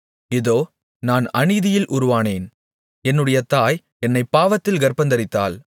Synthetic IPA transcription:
ɪðoː | naːnɐɳɪðɪjɪlʔʊɾʊʋaːneːn | ɛnːɯɽɐjɐt̪aːj | ɛnːɐɪpːaːʋɐt̪ːɪlɡɐɾpɐnd̪ɐɾɪt̪ːa̰ːl

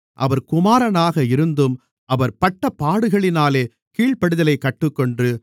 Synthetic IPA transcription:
ʔɐʋɐɾkʊmaːɾɐnaːɣɐɪɾɯnd̪ɯm | ʔɐʋɐɾpɐʈːɐpːaːɽɯɣɐɭɪnaːleː | kiːɭpɐɽɯðɐlɐɪkːɐʈːɯkːɔɳdrɯ

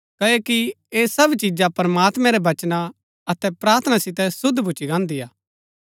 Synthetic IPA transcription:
kɐoki | eːsɐbt͡ʃid͡ʒapɐɾɐmaːt̪mɛ̃ɾɛbɐt͡ʃna | ɐt̪ɛpɾaːɾt̪ʰənasɪt̪ɛsʊd̪ʱːbʱʊt͡ʃiɡãːnd̪ijaː

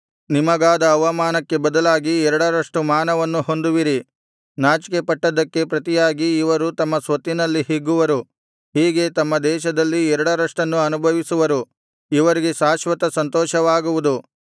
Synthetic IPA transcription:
nimɐɡaːd̪ɐːʋɐmaːnɐkːe̞bɐd̪ɐlaːɡiɛɾɐɽɐɾɐʂʈumaːnɐʋɐnːuho̞nd̪uʋiɾi | naːt͡ʃi̥kepɐʈːɐd̪ɐkːe̞pɾɐt̪ijaːɡiːʋɐɾut̪ɐmːɐsʋɐt̪ːinɐlːiɦiɡːuʋɐɾu | ɦiːɡe̞t̪ɐmːɐd̪ɛːʃɐd̪ɐlːiɛɾɐɽɐɾɐʂʈɐnːuɐnubʱɐʋisuʋɐɾu | iʋɐɾiɡe̞ʃaːʃʋɐt̪ɐsɐnt̪ɔːʃɐʋaːɡuʋud̪u

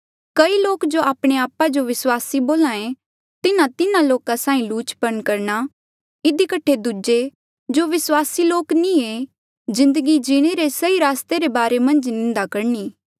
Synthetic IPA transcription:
kɐiloːkd͡ʒoaːpɽ̃eaːpad͡ʒoʋɪswaːsiboːlãːẽ | t̪ɪnãt̪ɪnãloːkasãːĩluːt͡ʃpənkɐɾna | ɪd̪ikəʈʰed̪ud͡ʒe | d͡ʒoːʋɪswaːsiloːknĩe | d͡ʒɪ̃nd̪əɡid͡ʒɪɽ̃eɾesɐiɾaːst̪eɾebaːɾemɐ̃nd͡ʒnɪ̃nd̪akɐɾɳiː

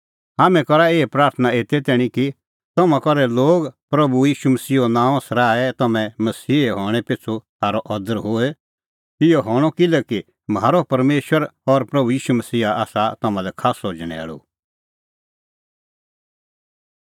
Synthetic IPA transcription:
aːmɛ̃kɔɾaeːpɾaːɾt̪ʰənaeːt̪ɛt̪ɛːɽ̃ĩki | t̪ɔmãkɔɾɛloːɡpɾɐbujiːʃumɐsiːɦonãːɔ̃sɐɾaːɛt̪ɐmɛ̃mɐsiːɦɔːɽ̃ɛpɪsʰut̪ʰaːɾɔʔɔd̪əɾɦoːɛ | ɪjɔɦɔːɽ̃ɔkɪlɛki | mɦaːɾopɐɾmeːʃwəɾɔɾpɾɐbujiːʃumɐsiːɦaa̰ːsat̪ɐmãlɛkʰaːsoːd͡ʒɽ̃ɛ̰ːɭo̰

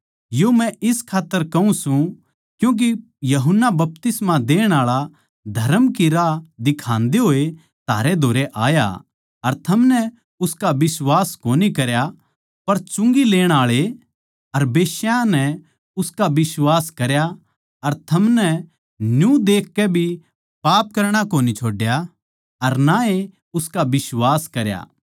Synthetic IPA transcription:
jomɛ̃ʔɪskʰaːt̪ːəɾkɐũsũ | kjũːk̬i | jɐɦʊnːabɐp̚t̪ɪsmãd̪eːɽ̃aːɭa | d̪ʱɐɾəmkiɾaːd̪ɪkʰãːnd̪eɦoːe | t̪ʰa̰ːɾed̪ʱoːɾeʔa̰ːja̰ | ɐɾt̪ʰɐmnɛ | ʊskabɪswaːskoːnikɐɾja | pɐɾt͡ʃʊ̃ŋɡileːɽ̃aːɭe | ɐɾbeːʃjãnɛ | ʊskabɪswaːskɐɾja | ɐɾt̪ʰɐmnɛ | njũd̪eːkʰːɛbʱi | paːp̚kɐɾɽ̃akoːnit͡ʃʰoːɖja | ɐɾnae | ʊskabɪsʋaːskɐɾja̰ː

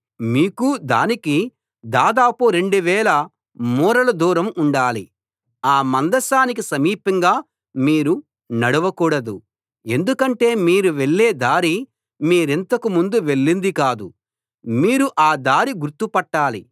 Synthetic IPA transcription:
miːkud̪a̰ːniki | d̪aːd̪aːpuɾe̞ɳɖuʋɛːlɐ | muːɾɐlɐd̪uːɾɐmuɳɖaːli | aːmɐnd̪ɐsaːnik̬isɐmiːpɐŋɡaː | miːɾu | nɐɽuʋɐkuːɽɐd̪u | e̞nd̪ukɐɳʈe̞ːmiːɾuʋe̞ɭːeːd̪aːɾi | miːɾent̪ɐkumund̪uʋe̞ɭːind̪ikaːd̪u | miːɾuʔaːd̪aːɾiɡuɾt̪ːupɐʈːaːli

